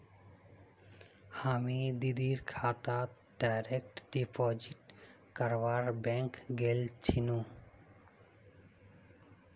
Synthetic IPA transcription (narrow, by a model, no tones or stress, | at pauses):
hamid̪id̪iɾkʰat̪at̪ | ɖajɾek̚ʈɖipʰod͡ʑiʈ | kʌɾbaɾbɛ̃ŋkɡelt͡ʃʰinũ